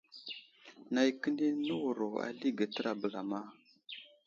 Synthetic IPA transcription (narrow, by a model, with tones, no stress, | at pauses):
na˨jkə˦ni˦nə˦wu˨ɾo˨a̰˨li˦ɡə˨tə˦ɾa˨bə˨la˨ma˦˨